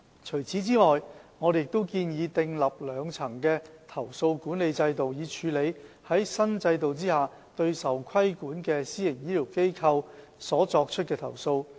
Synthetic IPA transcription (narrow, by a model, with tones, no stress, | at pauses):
t͡ʃʰɵ˨˩ɥt͡sʰiː˨˥t͡siː˥ŋɔː˨jŋɔː˨˧de˨jɪ˨˩k̚t̪o˥wkiː˧njiː˨˧t̪ɪ˧ŋlɐ˨p̚lœː˨˧˥ŋt͡sʰɐ˨˩ŋkɛː˧t̪ʰɐ˨˩wso˧wkuː˨˥nle˨˧jt͡sɐ˧jt̪o˨wjiː˨˧t͡ʃʰyː˨˧le˨˧j | hɐ˨˥jsɐ˥nt͡sɐ˧jt̪o˨wt͡siː˥haː˨˩ | t̪ɵ˧ɥsɐ˨˩wkʰɐ˥jkuː˨˥nkɛː˧siː˥jɪ˨˩ŋjiː˥liː˨˩wke˥jkʰɐ˧w | sɔː˨˥t͡sɔː˧k̚t͡ʃʰɵ˥t̚kɛː˧t̪ʰɐ˨˩wso˧w